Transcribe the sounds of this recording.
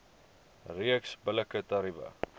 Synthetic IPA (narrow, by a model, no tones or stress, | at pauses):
riəksbələkət̪ɐɾibə̰